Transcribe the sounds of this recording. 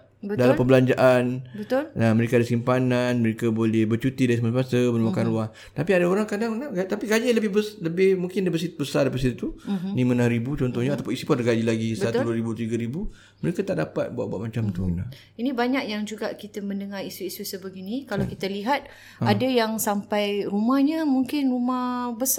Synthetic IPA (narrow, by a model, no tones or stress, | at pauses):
bədalampəmbəlaɲd͡ʒaʔanbət̪ʊlaməɾekadasimpananməɾekabolɛhbət͡ʃut̪idaɾisəmasmasabənmakanɾuaŋ | t̪apiadaoɾaŋkadaŋnaɡajt̪apiɡad͡ʒaləbɪhbəsləbɪhmuŋkɪndabəsit̪bəsardapat̪sit̪ut̪unimənãhɾibut͡ʃɔnt̪ɔhɲaat̪apʊnisipudəɡad͡ʒilaɡisbat̪uduaɾibut̪iɡaɾibu | məɾekat̪aʔdapat̪̚buaʔ̪̚bua̰ʔ̚mat͡ʃamt̪una̰ | inibaɲakjaŋd͡ʒuɡaʔkit̪əmə̃ndəŋaɾisuisusəbəɡinikalawkit̪aliɦat̪̚ | adajaŋsampajrumahɲəmuŋkɪnrumahbəsa